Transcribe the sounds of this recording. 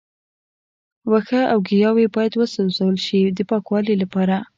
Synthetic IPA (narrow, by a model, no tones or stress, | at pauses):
waxaʔawɡijɑwebɑjad̪wəsazawəlʃid̪əpɑkwɑlilapɑɾa